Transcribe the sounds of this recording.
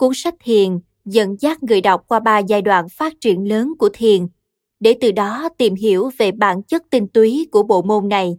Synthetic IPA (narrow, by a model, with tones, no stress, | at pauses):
ku˧˦ənsa˦˥k̚t̪ʰi˨˩ən | zə̰˧˨nzaː˦˥k̚ŋɨ̰˧˨əjɗa˨˩wk͡p̚kwaː˧ɓaː˧zaː˧jɗwa̰ː˧˨nfaː˦˥t̚t͡ɕi˧˩ənləː˨˦nku˧˩ət̪ʰi˨˩ən | ɗe˧˩t̪ɨ˨˩ɗɔ˨˦t̪i˨˩mɦi˧˩əwve˨˩ɓa̰ː˧˩nt͡ɕə˦˥t̚t̪ï˧ŋ̟t̪wi˨˦ku˧˩əɓo̰˧˨mo˧nna˨˩j